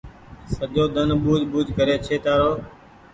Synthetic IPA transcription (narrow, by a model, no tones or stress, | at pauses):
səʄoːd̪ənɓuːd͡ʒɓuːd͡ʒʱkəɾeːt͡ʃʰeːt̪aːɾoː